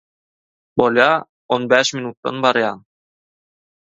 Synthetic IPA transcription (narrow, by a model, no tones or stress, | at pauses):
bolˠjɑː | onbæːʃminut̪ːɑ̰nbɑɾjɑːn